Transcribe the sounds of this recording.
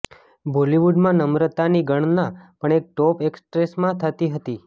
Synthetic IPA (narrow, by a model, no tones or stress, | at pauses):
boliʋuɖmãnəmɾət̪aniɡəɳ̃napəɳek̚ʈɔpekspɾesmãt̪ʰət̪iɦət̪i